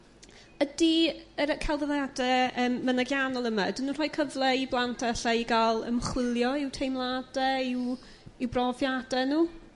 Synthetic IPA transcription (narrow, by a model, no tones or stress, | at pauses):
ədiəɾkʰalˠðəðadɛəːmːənaɡjanɔlˠəmadinunrɔːjkʰəvlˠɛiblˠantʰɛɬaiɡalˠə̰mχwɪlˠjɔɪwtʰejmlˠadɛɪw | ɪwbrɔvjadɛnuː